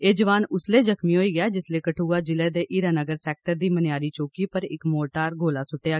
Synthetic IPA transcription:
eːd͡ʒəʋaːnʊsleːd͡ʒəkʰmĩːɦoːiːɡjaːd͡ʒɪsleːkəʈʰuːaːd͡ʒɪlɛːd̪eːʔiːɾaːnəɡəɾsɛːk̚ʈəɾd̪iːmənɪjaːɾiːt͡ʃoːkiːpəɾɪkmoːʈaːɾɡʱoːlaːsʊʈːejaː

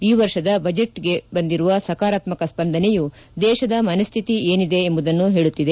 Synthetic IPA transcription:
iːʋɐɾʃɐd̪ɐbɐd͡ʒeʈɡe̞bɐnd̪iɾuʋɐsɐkaːɾaːt̪mɐkɐspɐnd̪ʱɐneju | d̪ɛːʃɐd̪ɐmɐnɐst̪ʰit̪ieːnid̪e̞embud̪ɐnːuɦe̞ːɭut̪ːid̪e

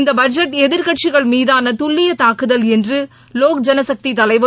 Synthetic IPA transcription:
nd̪ɐbɐd͡ʒɐʈːɛðɪɾkɐʈt͡ʃɪɣɐɭmiːðaːnɐt̪ʊɭːɪjɐt̪aːkɯðɐlɛndrɯ | loːk̚d͡ʒɐnɐsɐk̚t̪it̪ɐlɐɪʋɐ

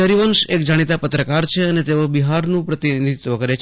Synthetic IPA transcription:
əɾiʋəŋʃekd͡ʒaɽ̃it̪apət̪ɾəkaɾt͡ʃʰeənet̪eobiɦaɾnũpɾət̪inid̪ʱit̪ʋəɡəɾet͡ʃʰ

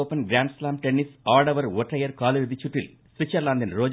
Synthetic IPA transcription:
oːpɐnɡɾaːɳɖslaːmʈenːisaːɖɐʋɐɾʋɔʈɾɐjɐɾkaːlɐʋid̪it͡ʃːuʈːil | sʋit͡ʃːɐɾlaːnd̪ɐnɾoːd͡ʒ

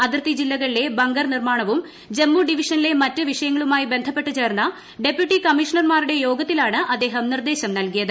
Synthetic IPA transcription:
ɐðirt̪id͡ʑilːɐɣɐɭile̞bɐŋɡɐrnirmaːɳɐʋum | d͡ʑe̞mːuɖiʋiʂɐnile̞mɐtːɨʋiʂɐjɐŋːɐɭumaːjibe̞nd̪ʱɐpːe̞ʈːɨt͡ɕe̞ːrnːɐ | ɖe̞pjuʈːikɐmiʂɐnɐrmaːruɽe̞jo̞ːɡɐt̪ːilaːɳɨʔɐd̪ːe̞ːɦɐmnird̪e̞ːɕɐmnɐlkijɐðɨ

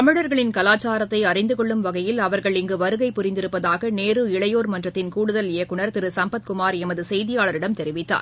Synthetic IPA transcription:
kɐmɪɻɐɾɣɐɭɪnkɐlaːt͡ʃːaːɾɐt̪ːɐɪɐrɪnd̪ɯkɔɭːɯmʋɐɣɐjɪlɐʋɐɾɣɐɭɪŋɡɯʋɐɾɯɣɐɪpʊɾɪnd̪ɪɾɯpːɐðaːɣɐneːrɯɪɭɐjoːɾmɐndrɐt̪ːɪnkuːɽɯðɐlɪjɐkːɯɳɐɾt̪ɪɾɯsɐmbɐt̪kʊmaːɾɛmɐðɯsɛjðɪjaːɭɐɾɪɽɐmt̪ɛɾɪʋɪt̪ːa̰ːɾ

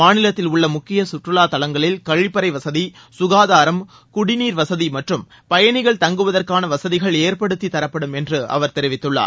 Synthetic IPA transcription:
aːnɪlɐt̪ːɪlʊɭːɐmʊkːɪjɐsʊʈrɯlaːt̪ɐlɐŋɡɐɭɪlkɐɻɪpːɐɾɐɪʋɐsɐði | sʊɣaːðaːɾɐm | kʊɽɪniːɾʋɐsɐðimɐʈrɯm | pɐjɐɳɪɣɐɭt̪ɐŋɡɯʋɐðɐrkaːnɐʋɐsɐðɪɣɐɭeːɾpɐɽɯt̪ːit̪ːɐɾɐpːɐɽɯmɛndrɯɐ̰ʋɐɾt̪ɛɾɪʋɪt̪ːɯɭːa̰ː

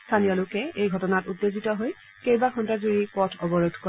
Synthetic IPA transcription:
sstʰanijɔlokɛejɡʱɔtɔnatutːezitɔɦoj | kejbaxʰɔntazuɹipɔtʰɔbɔɹod̪ʱkɔ

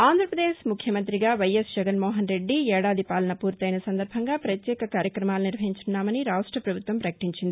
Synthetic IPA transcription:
aːnd̪ʱɾɐpɾɐd̪eːʃmukʰjɐmɐnt̪ɾiɡaːʋɐjɐsd͡ʒɛɡɐnmoːɦɐnɾe̞ɖːiɛːɽaːd̪ʱipaːlɐnɐpuːɾt̪ɐjnɐsɐnd̪ɐɾbʱɐŋɡaːpɾɐt̪jɛːkɐkaːɾjɐkɾɐmaːluniɾʋɐɦiɲt͡ʃunːaːmɐniɾaːʂʈɾɐpɾɐbʱut̪ʋɐmpɾɐkɐ̥ʈiɲt͡ʃind̪ii

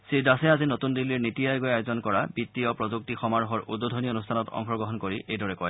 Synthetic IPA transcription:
siɹdasɛazinotundilːiɹnitijajɡojajozɔnkɔɹabit̪ːijɔpɹɔzuk̚tixɔmaɹɔɦɔɹut̚bodʱɔnionustʰanɔtɔ̰ŋxɔɡɔɦɔnkoɹiʔejdɔɹɛkɔj

